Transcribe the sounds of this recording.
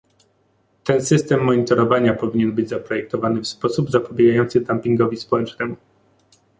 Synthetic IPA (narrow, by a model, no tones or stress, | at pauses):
t̪ɛnsɘst̪ɛmːɔɲit̪ɔɾɔvaɲapɔvʲiɲɛnbɘd͡ʑzapɾɔjɛk̚t̪ɔvanɘfspɔsubzapɔbʲjɛɡajɔnt̪sɘd̪ampʲiŋɡɔvʲispɔwɛt͡ʂnɛmu